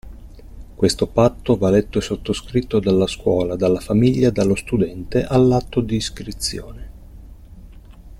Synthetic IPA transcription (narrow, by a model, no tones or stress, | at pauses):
kwest̪opat̪ːovalet̪ːoesot̪ːoskɾit̪ːod̪alːaskwɔːlad̪alːafamiʎːad̪alːost̪ud̪ɛnt̪eʔalːat̪ːod̪iːskɾit̪sjo̰ːne